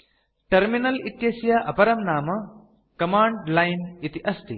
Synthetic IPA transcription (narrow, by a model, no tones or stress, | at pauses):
ʈɐɾminɐlit̪jɐsjaʔɐpɐɾɐmnaːmɐ | kɐmaːɳɖlɐjnit̪iʔɐst̪ḭ